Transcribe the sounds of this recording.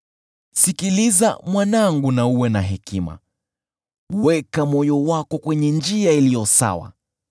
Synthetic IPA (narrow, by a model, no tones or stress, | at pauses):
sikiliza̰mwanaŋɡunauwɛnaɦɛkima̰ | uwɛkamɔjɔwakɔkwɛɲɛnd͡ʒiailijɔsa̰wa̰